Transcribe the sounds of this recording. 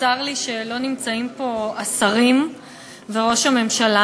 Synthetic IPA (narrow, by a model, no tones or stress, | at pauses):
aʁliʃe̞lo̞nimt͡saimpo̞asaʁim | veʁo̞ʃame̞mʃala